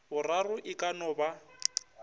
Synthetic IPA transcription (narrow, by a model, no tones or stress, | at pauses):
bʊrarʊʔɪkʼanɔːba